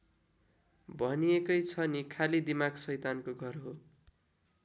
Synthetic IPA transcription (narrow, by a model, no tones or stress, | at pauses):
bʱʌniekʌjt͡sʰʌnikʰalid̪imaɡsʌjt̪ankoɡʱʌrɦo